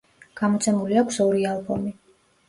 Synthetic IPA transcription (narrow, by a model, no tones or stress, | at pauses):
ɡ̥amɔt̪sʰɛmuliakʷʰsɔɾialˠbɔ̰mi